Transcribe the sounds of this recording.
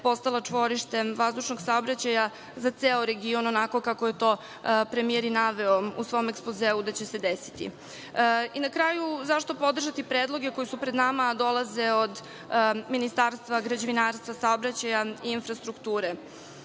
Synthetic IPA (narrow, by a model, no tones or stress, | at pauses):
po̞st̪alˠat͡ʂʋo̞ɾiʃt̪e̞ʋazd̪uʃno̞ɡsaobɾat͡ɕaja | zat̪seːoɾe̞ɡio̞nonako̞kakoje̞t̪o̞ː | pɾemijeɾinaʋeoṵsʋo̞omekspozeːud̪at͡ɕese̞d̪esi̥t̪ḭ | inakɾaːjuzaʃt̪o̞po̞d̪r̩ʒat̪ipɾeːd̪lˠo̞ɡe̞ko̞jisupɾed̪namad̪o̞lˠaze̞od̪ | minist̪aːɾst̪vaɡɾad͡ʑeʋinaːɾst̪ʋasaobɾat͡ɕajaiinfɾast̪ɾukt̪uːɾe